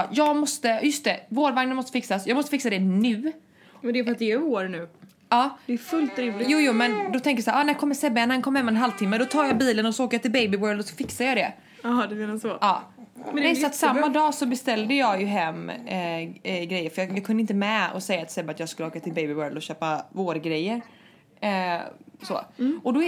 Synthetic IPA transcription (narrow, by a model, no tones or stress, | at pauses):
jɑːɡmɔst̪əjɵst̪ɛvoːɖvaŋnənmɔst̪əfɪksasjɑɡmɔst̪əfɪksad̪ɛnʉ̟ː | ɛnd̪ɛjəfəɾat̪̚d̪ɛɛoːɾnʉ̟ː | ɑːd̪ɛːfɵlt̪ɾivlɪjuːjuːmɛnd̪ɔt̪ʰɛŋkəjsæːʔɑnækʰɔmːəʂɛbːɛɛnːɛnkʰɔmːəhɛmːɛnɦalvt̪ʰɪmːəd̪ɔt̪ʰɑːɾjɑbiːlənɔsɔoːkajat̪ɪlbejbɪwœːɾld̪ɔsɔfɪksajɑd̪ɛ | ɑd̪ɛmenasɔʔɑːɛɛsɔat̪samːad̪ɑːsɔbɛst̪ɛld̪əjɑɡjɵɦɛmː | ɡɾɛjːəɾfœjɑjɑɡkʰɵnɪnt̪əmɛɔ̰sɛjːat̪sɛbːaːt̪jɑːɡskɵləoːkat̪ʰɪlbejbɪwœːɭld̪ɔɕøːpavoːɾɡɾɛjːəɾ | so̰ːɔd̪ɔ